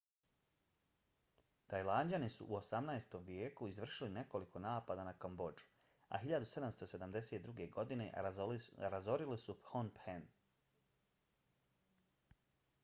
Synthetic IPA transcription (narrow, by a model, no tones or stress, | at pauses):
t̪ajlˠaːnd͡ʑanisṵʔuo̞samnaest̪o̞mʋjeːkuizʋr̩ʃiline̞ko̞likʰo̞naːpad̪anakombo̞d͡ʒu̥ | a̰ɦiʎad̪use̞d̪amst̪o̞se̞d̪amd̪e̞seːt̪̚d̪ɾuːɡe̞ɡo̞d̪ine̞̰ | ɾazo̞ɾilisuphonpen